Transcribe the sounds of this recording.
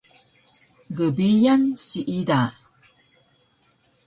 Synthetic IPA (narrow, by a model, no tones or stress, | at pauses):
ɡəbijansiʔida